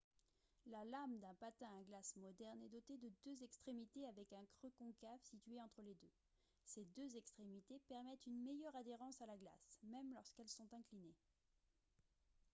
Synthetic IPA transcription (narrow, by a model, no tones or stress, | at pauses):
lalamd̪ɛ̃pat̪ɛ̃aɡlasmɔd̪ɛʁnɛd̪ɔt̪ed̪əd̪øzɛkst̪χemit̪eavɛkɛ̃kχøkɔ̃kafsit̪ɥeɑ̃t̪χəled̪ø | sed̪øzɛkst̪χemit̪epɛʁmɛt̪ynmɛjœʁad̪eʁɑ̃salaɡla̰smɛmlɔʁskɛlsɔ̃t̪ɛ̃kline